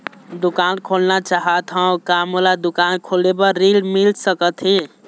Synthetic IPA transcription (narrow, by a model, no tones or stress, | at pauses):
d̪ukankʰolnat͡ʃaɦət̪ɦə̃kamolad̪ukankʰolebəɾilmilsəkət̪ɦi